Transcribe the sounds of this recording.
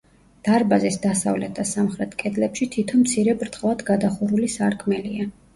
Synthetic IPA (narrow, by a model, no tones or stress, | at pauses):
d̪̥aɾbazisd̪asa̰vlɛt̪̚ʰd̪asamχɾɛt̪ʰkʼɛd̪lɛpʃit̪ʰit̪ʰɔnmt̪sʰiɾɛbɾt̪ʁʼvad̪ɡad̪aχuɾulisaɾkʰmɛlia